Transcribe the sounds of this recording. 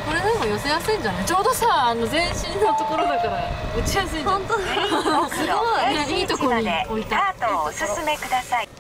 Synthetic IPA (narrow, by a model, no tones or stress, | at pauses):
ko̞ɾed̪emojo̞se̞jasɨĩɲd͡ʑanat͡ɕo̞ːd̪o̞saːano̞zẽ̞ɰ̃ɕĩnːot̪o̞ko̞ɾo̞d̪akaɾaɯt͡ɕijasɨĩõt̪o | ɨɾoaneiːt̪okoɾɲʲieo̞it̪at̪osɨsɨme̞kɯd̪asai